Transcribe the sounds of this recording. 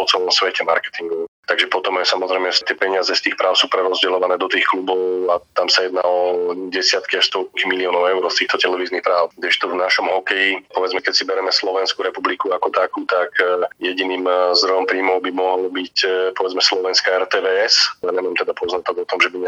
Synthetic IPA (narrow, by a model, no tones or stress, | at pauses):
pɔt͡sɛlɔmsʋɛcɛma̰ɾkɛ̥t̪iŋɡɔt̪aɡʒɛpɔt̪ɔmajsamɔzɾɛjmɛt̪ɛpɛɲɪazɛst̪iːxpɾaːʊsuːpɾɛɾɔzɟɛlɔʋanɛːd̪ɔt̪iːxklubɔʊat̪amsajɛd̪naːɔɟɛsɪat̪kiaʃst̪ɔlkkimiliɔːnɔʊɛʊɾɔst̪iːxt̪ɔt̪ɛlɛʋiːznixpɾaːʊd̪ɛʃt̪ɔvnaʃɔmɦɔkɛjipɔʋɛd͡zmɛkɛcsibɛɾɛmɛslɔʋɛnskuɾɛpublikuakɔt̪akuːt̪akjɛɟiniːmzd̪ɾɔjɔmpɾiːmɔʊbimɔɦɔlbicpɔʋɛd͡zmɛslɔʋɛnskaɛɾt̪ɛːʋɛːɛsaɲɛmaːmt̪ɛd̪apɔznat̪ɔɡɔt̪ɔmʒɛbiɲɛ